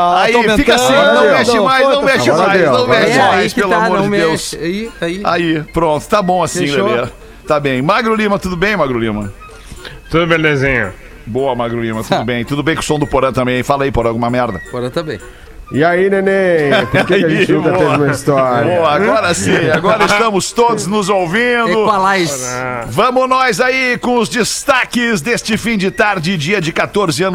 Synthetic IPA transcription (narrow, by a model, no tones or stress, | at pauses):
aiɐ̃mẽfiktasĩnɐ̃wmɛʃɪ̃majzɐ̃wnmɛʃɪɾajeɐ̃w̃mɛʃɪmajspelʊamoɾd͡ʒɪdewsiia̰ipɾõnt̪ʊ̥t̪abõasĩd̪ee | t̪abẽj̃maɡɾolĩmɐt̪ud̪ʊbẽj̃maɡɾolĩmɐ | t̪ud̪ʊmeɾd̪ezẽɲʊ̰ | boɐmaɡɾolĩmɐt̪ud̪ʊbẽj̃t̪ud̪ʊbẽj̃kʊ̥sõw̃d̪ʊpoɾɐ̃t̪ɐ̃mbẽj̃jfalɐaipoɾɐ̃ɡũmɐmɛɾd̪ɐpoɾɐ̃t̪ɐbḛ̃j̃ | ɪainẽnepʊkeẽt͡ʃb̪ɛzũmɐist̪ɔɾboɐaɡɔɾɐsĩaɡɔɾɐɪst̪ɐ̃mʊst̪od̪ʊznʊzowvĩd̪ʊalaissvɐ̃mʊnɔzaikõʊzd͡ʒɪst̪akɪzd̪est͡ʃɪfĩd͡ʒɪt̪aɾd͡ʒɪd͡ʒiɐd͡ʒɪkat̪oɾzɪɐ̃nʊ